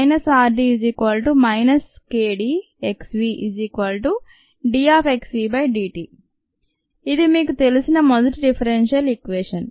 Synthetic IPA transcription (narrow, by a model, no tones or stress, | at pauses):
jnɐsaːɾɖiːziːkʋɐlʈumɐjnɐskeːɖiː | eksʋiːʔiziːkʋɐlʈu | ɖiːaːpʰeksʋiːbɐjɖiːʈiː | id̪imiːkut̪elusinɐmɔd̪ɐʈiɖipʰɐɾenʃiɐlikʋeːʂɐn